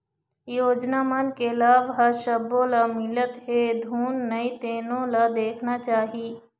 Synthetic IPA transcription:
joːd͡ʒnamənkelaːʋɦɐɾʃɐbõlamɪlət̪ɦed̪ʱuːnːɐit̪eːnõlad̪eːkʰnat͡ʃaːɦiː

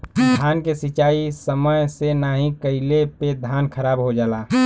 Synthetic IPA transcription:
d̪ʱaːnkesit͡ʃaːisəməjsenaːɦĩkəɪleped̪ʱaːnkʰəɾaːbɦod͡ʒaːlaː

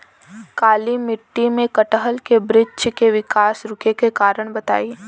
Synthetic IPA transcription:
kaːlimɪʈːimẽkɐʈəɦəlkebɾɪt͡ʃkeʋɪkaːsɾʊkʰekekaːɾəɽ̃bɐt̪a̰ːi

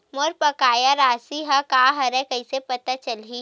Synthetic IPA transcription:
mɔːɾpɐkaːjaɾaːsiɦakaːɦɐɾɛ̃kɐisepɐt̪at͡ʃɐlɦi

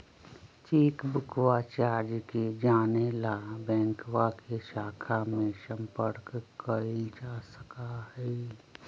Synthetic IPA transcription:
t͡ʃiːkbʊkwat͡ʃaːɾd͡ʒked͡ʒaːnelabɛ̃ːŋkwakeʃaːkʰamẽsə̃mpəɾkkəɾid͡ʒaːsə̥kaɦɛː

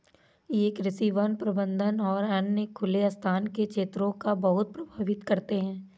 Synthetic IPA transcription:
jeːkɾɪsiːʋənpɾɐbə̃nd̪ʱənɔːɾɐnːəkʰʊleɐst̪ʰaːnkekʃʰeːt̪ɾõkabɐɦʊt̪̚pɾɐbʱaːʋɪt̪kɐɾt̪eɦɛ̃ː

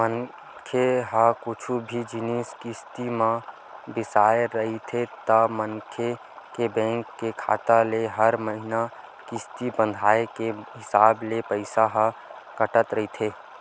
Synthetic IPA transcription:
mən | kʰeɦəkʊt͡ʃʰubʱid͡ʒɪniskɪst̪imã | bɪsaːeɾəɦit̪ʰet̪əməŋkʰe | kebɛ̃ːŋkːekʰa̰ːt̪aleɦəɾməɦɪna | kɪst̪ibə̃nd̪ʱaːekeɦɪsaːblepəɪsaɦəkəʈət̪ɾəɦit̪ʰeː

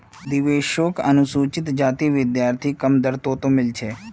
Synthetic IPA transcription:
d̪ɪʋeːʃoːkɐ̰nʊsuːt͡ʃɪt̪d͡ʒaːt̪iʋɪd̪jaːɾt̪ʰikɐmd̪əɾt̪oːt̪õmɪlt͡ʃʰeː

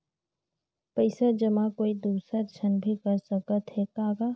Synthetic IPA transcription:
pəɪsad͡ʒəmãkoːid̪uːsəɾt͡ʃʰənbʱikəɾsəkət̪ɦɛkaːɡa

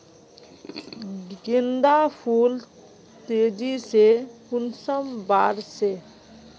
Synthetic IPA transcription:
ɡend̪apʰul | t̪ed͡ʒisekunsəmbaɾse

